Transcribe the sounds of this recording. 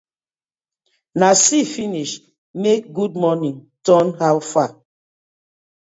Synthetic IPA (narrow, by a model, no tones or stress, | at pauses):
nasifiniʃ | mek̚ɡud̚mɔnĩŋ | tɔnhawfa